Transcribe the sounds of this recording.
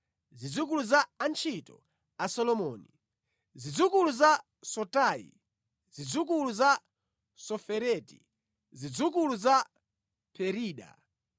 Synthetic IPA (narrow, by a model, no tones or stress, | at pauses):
zid͡zuk̬uluzaːnt͡ʃʰitɔ̰ | asɔlɔmɔːni | zid͡zukuluza | sɔtaːḭ | zid͡zuk̬uluza | sɔfɛɾɛtḭ | zid͡zuk̬uluza | pʰɛɾiːɗa̰